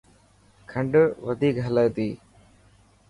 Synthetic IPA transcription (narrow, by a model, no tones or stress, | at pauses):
kʰə̃ɳɖʋəd̪ʱiːkɦələːt̪iː